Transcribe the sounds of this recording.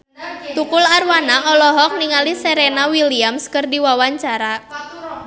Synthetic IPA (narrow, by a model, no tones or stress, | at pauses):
t̪ukʊlarwanaʔɔlɔɦɔk̚niŋaliseɾenawiliamskərdiwawaɲt͡ʃaɾa